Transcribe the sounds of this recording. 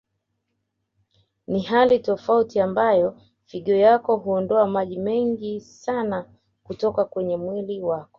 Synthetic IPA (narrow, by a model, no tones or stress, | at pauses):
nihalitɔfautiambajɔ | fiɠɔjakɔɦuɔndɔamaʄimɛŋɡisana | kutɔkakwɛɲɛmwiliwakɔ̥